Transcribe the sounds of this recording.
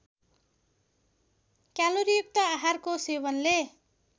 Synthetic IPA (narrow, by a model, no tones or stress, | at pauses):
kjaloɾijuk̚t̪ʌaɦarkoseβʌnle